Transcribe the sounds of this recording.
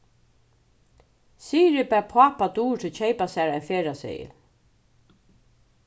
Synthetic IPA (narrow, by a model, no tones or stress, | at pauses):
siːɾɪpæpʰaːpat̪uːɾt̪ʰɪlt͡ɕʰɛɪpasæɹɛfeːɹasḛjɪ̰